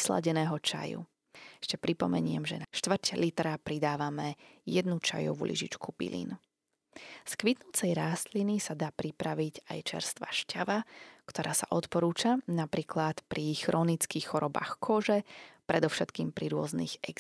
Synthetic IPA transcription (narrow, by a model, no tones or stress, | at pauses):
sla̰ɟɛnɛːɦɔt͡ʃa̰jṵ | ɛʃcɛpɾipɔmɛɲɪɛmʒɛ̰naʃt̪ʋr̩cɛlit̪ɾapɾid̪aːʋamɛjɛd̪nut͡ʃa̰jɔ̰ʋṵlḭʒḭt͡ʃkubḭlḭn | skʋit̪nut͡sɛjɾaːst̪linisad̪aːpɾipɾaʋica̰jt͡ʃɛ̰ɾst̪ʋa̰ʃcaʋakt̪ɔɾʔaːsaʔɔt̪pɔɾuːt͡ʃanapɾiːklat̪pɾixɾʔɔːnit͡skiːxːɔɾɔba̰ːxkʰɔʒɛpɾɛd̪ɔfʃɛt̪kiːmpɾiɾʊɔznḭɣɛɡ